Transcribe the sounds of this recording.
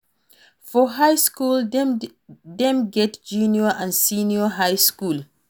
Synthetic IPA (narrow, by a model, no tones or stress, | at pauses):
fɔɦajskul | dɛ̃mɡɛtd͡ʒunjɔãnsiniɔɦajskul